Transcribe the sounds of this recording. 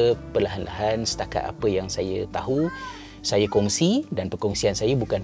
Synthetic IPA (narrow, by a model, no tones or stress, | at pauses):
pərlaɦanlʔa̰ɦansə̥t̪aka̰t̪a̰pəjaŋsajət̪aɦu | sajakɔŋsidanpərkɔŋsiansajabukan